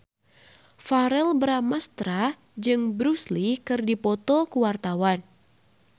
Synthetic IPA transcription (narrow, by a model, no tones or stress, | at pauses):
faɾɛlbɾamast̪ɾa | d͡ʒɨŋbɾuslikɨrdipɔt̪ɔkuwart̪awan